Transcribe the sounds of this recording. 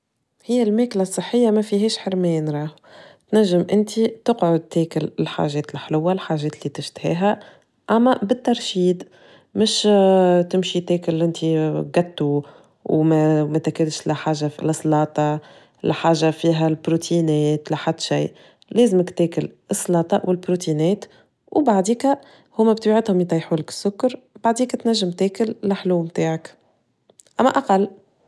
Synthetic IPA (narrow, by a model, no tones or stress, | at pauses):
hɪjːælmeːklasˤːɨħːɪjːamæfiɦɛːʃħəɾmɪjːnɾˤɑːh | t̪næʒːɪmʔɪnt̪ʰit̪ɪqʕʊd̪̚t̪ɛːkɪlɪlħa̰ːʒɛːt̪ɪlħlʊwːalħaːʒɛːt̪lːiːt̪ɪʃt̪hɛ̰ːɦæ | ʔæmːæbɪt̪ːɑɾˤʃiːd̪ | mɪʃt̪ɪmʃit̪eːkʊlʔɪnt̪iɡæt̪ːu | wmæmæt̪ækɪlʃlæħaːʒːafilʔɨsˤlɑːt̪ˤɑ | læ̰ħaːʒafiːɦælbɾut̪ʰinɛːt̪læħad̪ːʃijʔ | lɛːzɪməkt̪ɛːkɪlʔɨsˤːlɑːt̪ˤɑʔwɪlbɾut̪inɛːt̪ | wbaʕd̪iːkæ | hʊmːæbt̪biʕɪd̪hʊmjt̪ˤɑjħuːlɪkɪ̥sːʊkːɑɾˤ | baʕd̪iːkæt̪næʒːɪmt̪ɛːkɪllɪħluːmt̪aːʕak | ʔæmːæʔaqɑlː